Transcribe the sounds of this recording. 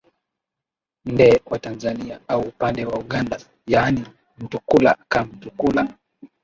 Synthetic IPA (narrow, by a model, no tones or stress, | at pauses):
ndɛwatanzaniaauːpandɛwauɠanda | jaːni | m̩tukula̰kam̩tukula